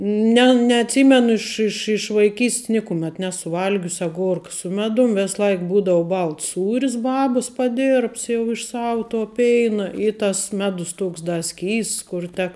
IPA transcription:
ˈnʲɛ nʲɛɐtʲˈsʲiːmʲɛnʊ ˈɪʃ ɪʃ ɪʃ ʋɐɪˈkʲiːsʲtʲs ˈnʲɪkʊmʲɛt ˈnʲæːsʊ ˈʋɐlʲɡʲʊs ɐˈɡoːrkɐ sʊ ˈmʲæːdʊm ˈʋʲɛs ˈlˠɐɪk ˈbuːdɐʋʊ ˈbɐlˠts ˈsuːrʲɪs ˈbɑːbɐs pɐˈdʲɪrpts jɛʊ ɪʃ ˈsɑːʋʊ toː ˈpʲɛɪnɐ ɪ tɐs ˈmʲæːdʊs ˈtoːks dɐ ˈsʲkʲiːsts kʊr ˈtʲɛk

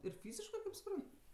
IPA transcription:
ɪr ˈfʲiːzʲɪʃkɜ kɐɪp sʊˈprɐn

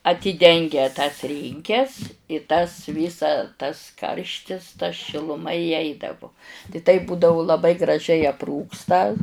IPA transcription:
ɐtʲiːˈdʲɛŋʲɡʲɛ tɐs ˈrʲiːŋʲkʲɛs ɪ tɐs ˈʋʲiːsɐ tɐs ˈkɐrʲʃʲtʲɪs tɐ ʃʲɪlˠʊˈmɐ iːˈɛɪdɐʋʊ tɐɪ tɐɪp ˈbuːdɐʋʊ lˠɐˈbɐɪ ɡrɐˈʒʲɛɪ ɐpˈruːkstɐ

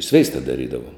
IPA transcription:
ˈsʲʋʲɛɪstɐ dɐˈrʲiːdɐʋoːm

